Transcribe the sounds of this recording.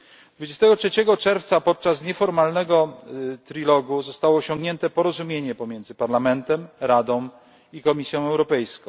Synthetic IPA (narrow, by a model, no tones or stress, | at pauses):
d̪vud͡ʑest̪ɛɡɔtʂɛt͡ɕɛɡɔt͡ʂɛɾft̪sapɔt̪̚t͡ʂasɲɛfɔɾmalnɛɡɔt̪ɾilɔɡuzɔst̪awɔːɕɔ̃ŋɡɲɛnt̪ɛpɔɾɔzumʲjeɲɛpɔmʲjɛnd̪zɘpaɾlamɛnt̪ɛmɾad̪ɔ̃w̃ | ikɔmʲisʲjɔ̃w̃ɛwɾɔpɛjskɔ̃ww̃